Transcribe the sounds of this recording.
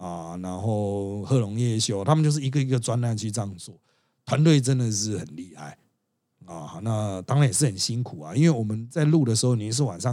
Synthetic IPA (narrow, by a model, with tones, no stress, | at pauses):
a˨na˧˦nxo˥˩ʊxɤ˥˧lʊ˧˦ŋjɛ˥˩ɕjo˥ʊt̪ʰa˥mə˨nt͡ɕjʊʂ̬̩˥˩˨i˧ɡə˨i˧˦ɡə˨t͡swa˦nla˥˧nt͡ɕʰy˥˩ʈ͡ʂɑ˥˧ŋt͡swɔ˥˩ | t̪ʰwa˨˦nt̪̬we˥˩ɪt͡sə˦nd̪ə˨ʂ̬ɻ̩˥˩xə˨˩nli˥˧ha̰˥˩ɪ | a˨˩na˥˧t̪a˥ŋa˧njɛ˨˩ʂɻ̩˥˩hə˨˩nɕi˦˥nkʰu˨˩a̰˨i˦nwe˥˩ɪwɔ˨˩mə˦nt͡sa˥˧ɪlu˥˨d̪ə˩ʂ̬ɻ̩˧˥ho˥˩ʊni˧˦ns̬ɻ̩˥˩˨wa̰˨˩nʂɑ˥˨